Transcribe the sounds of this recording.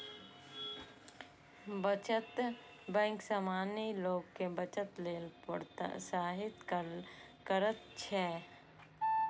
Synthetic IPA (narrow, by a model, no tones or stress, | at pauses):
bət͡ʃət̪ | bɛ̃ːŋksaːmaːniloːɡkebət͡ʃət̪leːlpəɽt̪saːɦɪt̪ | kəɾət̪̚t͡ʃʰɛ